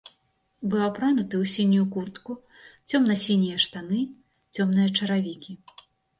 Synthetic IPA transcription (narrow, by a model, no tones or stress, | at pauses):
bɨwapɾanut̪ɨwsʲinʲujukurt̪ku | t͡sʲɔmnɐsʲinʲijɐʂt̪anɨ | t͡sʲɔmn̪ɨjɐt͡ʂɐɾavʲikʲi